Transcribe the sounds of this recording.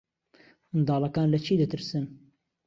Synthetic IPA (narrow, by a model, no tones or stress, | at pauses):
ɨnd̪ɑːlɐkaːnlɐt͡ʃʰiːd̪ɐt̪ɨɾsɨn